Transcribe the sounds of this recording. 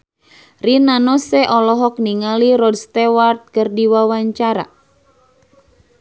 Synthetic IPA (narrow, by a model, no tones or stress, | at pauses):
rinanɔsɛʔɔlɔɦɔk̚niŋaliɾɔd̚st̪ɛwart̪̚kərdiwawaɲt͡ʃaɾa̰